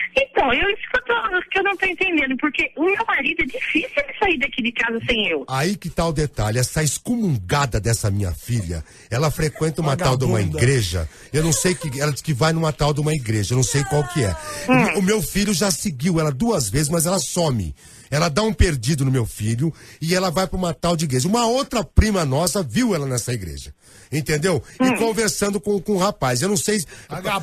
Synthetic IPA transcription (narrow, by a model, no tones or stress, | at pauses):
ẽt̪ɐ̃w̃ewisfot̪ozʊskɪewnɐ̃w̃t̪owẽnt̪ẽnd̪ẽnd̪ʊpoɾkeʊmewmaɾid̪ʊɛd͡ʒifisiwd͡ʒɪsaiɾd̪akid͡ʒɪkazɐsẽj̃ewaikɪt̪aʊd̪et̪aʎɪɛsɐɪskomũŋɡad̪ɐd̪ɛsɐmĩɲɐ̰fiʎɐ̰ | ɛlɐfɾekwẽnt̪ɐumat̪awd̪ɪũmɐiɡɾeʒɐ̰ | ewnɐ̃w̃sejkɪɛlɐskɪvajnʊ̃mat̪awd̪ɪũmɐiɡɾeʒɐwnɐ̃w̃sejkwawkɪɛʊmewfiʎʊʒaseɡiwɛlɐd̪uɐzvezɪzmɐzɛlɐsõmɪ̰ | ɛlɐd̪aũpeɾd͡ʒid̪ʊnʊmewfiʎʊɪɛlɐvajpɾʊũmat̪awd͡ʒɪiɡɾeʒɐũmɐowt̪ɾɐpɾĩmɐnɔsɐviwɛlɐnɛsɐiɡɾḛʒɐ | ẽnt̪ẽnd̪ewɪkõveɾsɐ̃nd̪ʊkõkõʊhapajz̬ewnɐ̃w̃sej